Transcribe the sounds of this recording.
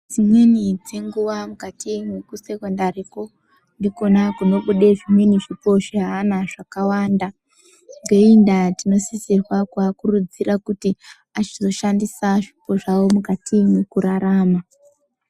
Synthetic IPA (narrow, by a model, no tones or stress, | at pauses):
d͡zimwe̞nid͡ze̞ŋɡuʋamukatʰimwekusekondaɾeko̞ | ndiko̞nakuno̞ɓuɗe̞ʐimwe̞niʐipo̞ʐiɦaːnaʐakawaːnda | ŋɡeindatino̞sisirwakuakurud͡zirakuti | at͡ʃizo̞ʃandisaʐipo̞ʐawomukatʰimwekuɾaɾaːma